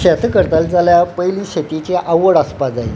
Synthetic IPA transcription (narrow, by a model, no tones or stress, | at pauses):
ɕat̪ʰkəɾt̪ald͡zaljapəjliːɕet̪it͡ɕeʔawəɽəspad͡zaḭ